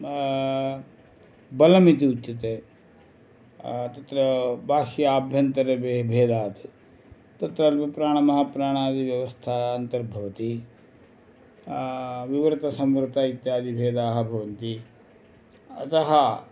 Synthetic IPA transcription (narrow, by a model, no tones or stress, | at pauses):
bɐlɐmit̪̬iutːt͡ʃɐt̪e | t̪ɐt̪ɾɐbʱaːʃjaːbʱjɐnt̪ɐɾebebʱeːd̪aːt̪ | t̪ɐt̪ɾɐlpɾaːɽ̃ɐmɐɦɐpɾaːɽ̃aːd̪iʋjɐʋɐst̪ʰaːnt̪ɐɾbʱɐʋɐt̪i | ʋiʋɐɾt̪ɐsɐmʋɾt̪ait̪jaːd̪ibʱeːd̪aːɦɐ̆bʱɐʋɐnt̪i | ɐ̰t̪ɐɦɐ